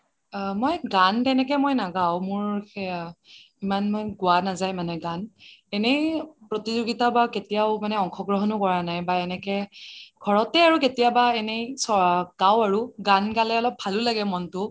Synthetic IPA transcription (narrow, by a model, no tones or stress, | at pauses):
mɔjɡantɛnɛk̬ɛmojnaɡawmʊɹ | imanmɔjɡʊanazajmanɛɡanɛnejpɹɔtizoɡitabaketijaʊmanɛɔŋkʰɔɡɹɔɦɔnʊkɔɹanajbaɛnɛkɛɡʱɔɹɔtɛaɹuketijabaɛnesɔɡ̥awaɹuɡanɡalɛɔlɔb̚ʱalʊlaɡɛmɔntʊ